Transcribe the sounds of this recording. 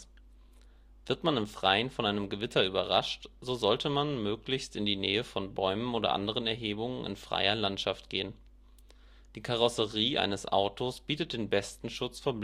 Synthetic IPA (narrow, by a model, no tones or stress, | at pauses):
v̥ɪɐtmanɪmfʁ̥aɪənfɔnʔaɪnəmɡəvɪtʰɐyːbɐʁaʃtz̥ozɔltʰəmanmøːklɪçstɪndiːnɛːəfɔnbɔʏmənoːɾɐ̰ʔa̰ndəʁ̞ənɛɐɦeːbʊŋənɪ̰nfʁ̥a̰ɪɐlantʃaftɡ̥eːən | d̥iːkʰaʁɔsəʁiːʔa̰ɪnəsʔa̰ʊtʰosb̥iːtət̚d̥eːnbɛstn̩ʃʊt͡sfoːɐb